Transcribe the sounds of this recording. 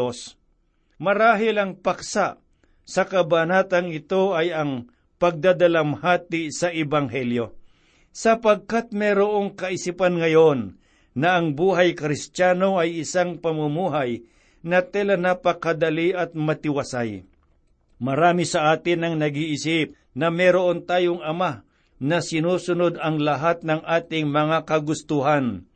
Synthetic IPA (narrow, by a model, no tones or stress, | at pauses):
os | mɐɾaːɦɪlɐŋpɐksaʔ | sɐkɐbanaːt̪ɐŋɪt̪o̞ʔɐjɐŋ | pɐɡ̚d̪ad̪ɐlɐmhaːt̪ɪsɐʔɛbɐŋɦɛljo̞ | sɐpɐɡ̚kat̪̚mɛɾoʔo̞ŋkɐʔɪsipɐnŋɐjo̞nː | ɐʔɐŋbuːɦɐjkɾɪst̪aːno̞ʔɐjɪsaŋpɐmʊmuːɦaj | nɐt̪ɛlɐnɐpɐkɐd̪ɐliʔɐt̪̚mɐt̪ɪwɐsaj | mɐɾaːmisɐʔaːt̪ɪnɐŋnɐɡiʔɪsɪp̚ | nɐmɛɾoʔont̪aːjoŋɐma | nɐsɪnuːsʊnod̪ɐŋlɐɦat̪̚nɐŋʔaːt̪ɪŋmɐŋakɐɡʊst̪uɦan